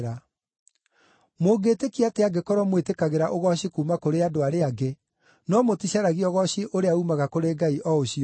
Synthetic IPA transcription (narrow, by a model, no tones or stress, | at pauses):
ɾa | moːɡetekiateaɡekɔɾɔmwetekaɣeɾaʔoɣɔɕikuːmakoɾeadoaɾeaɡe | nɔmotiɕaɾaɣiɔɣɔɕiʔoɾeaumaɣakoɾeɡaiʔɔoɕi